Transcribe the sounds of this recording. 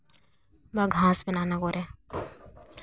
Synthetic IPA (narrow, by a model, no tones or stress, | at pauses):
baɡʱãːsbənaːnaɡoːɾɛː